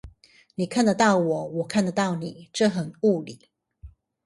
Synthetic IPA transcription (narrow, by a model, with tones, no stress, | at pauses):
ni˨˩kʰa˥˨nd̪ə˩t̪ɑ˥˩ʊwɔ˨˩˦wɔ˨˩kʰa˥˨nd̪ə˩t̪ɑ˥˩ʊni˨˩˦ʈ͡ʂɤ˥˨˩xə˨˩nu˥˩li˨˩˦